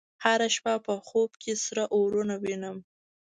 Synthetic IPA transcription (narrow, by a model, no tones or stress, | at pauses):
haɾaʃpɑpəxobkʰesɾaʔoɾunawinəm